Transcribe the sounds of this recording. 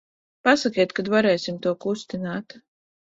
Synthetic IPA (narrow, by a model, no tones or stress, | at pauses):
pasakiɛt̪kad̪vaɾɛːjsʲimt̪uɔkust̪inaːt̪